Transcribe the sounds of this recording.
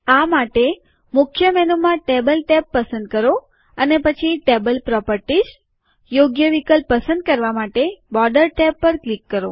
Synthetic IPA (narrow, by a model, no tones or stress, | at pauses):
amaʈe | mʊkʰjəmɛnomãʈebəlʈɛpːəsə̃nd̪̚kəɾo | ənepət͡ʃʰiʈebəlpɾɔpəɾʈiʃ | joɡjəʋikəlpːəsə̃nd̪̚kəɾʋamaʈebɔɖəɾʈɛpːəɾklikːəɾo̰